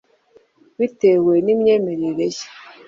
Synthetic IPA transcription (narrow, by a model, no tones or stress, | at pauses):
βitewe̞nimɲe̞ːme̞ɾeɾeje̥